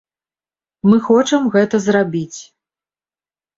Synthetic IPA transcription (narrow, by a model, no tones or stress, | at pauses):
mɨxɔt͡ʂɐmɣɛt̪ɐzɾabʲit͡sʲ